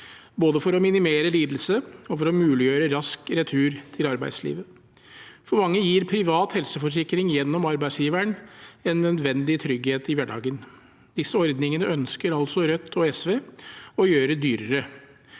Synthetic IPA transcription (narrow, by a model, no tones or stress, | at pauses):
boːd̪əfɔɾɔmɪnɪmeːɾəliːd̪əl̩səɔfɔɾɔmʉːlɪjøːɾəɾɑskɾɛt̪ʰʉːɾt̪ʰɪlɑɾbæ̰ɪd̪slḭːʋə | fɔɾmɑŋːəjiːɾpʰɾɪʋɑːt̪hɛlsəfɔʂ̬ɪkɾɪŋjɛnːɔmɑɾbæɪsjiːʋæɳɛnːœd̪ʋɛnd̪ɪt̪ʰɾʏɡheːt̪ɪʋæɖɑ̰ːɡən | d̪̥ɪsːəɔɾd̪nɪŋənəœnskəɾɑlsɔɾœt̪ʰːɔɛsʋeːɔjøːɾəd̪yːɾəɾə